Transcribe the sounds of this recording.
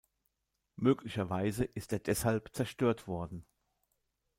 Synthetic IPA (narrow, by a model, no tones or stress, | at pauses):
møːklɪçɐvaɪzəʔɪsteːɐdɛshalpt͡sɛɐʃtøːɐtv̥ɔɐdn̩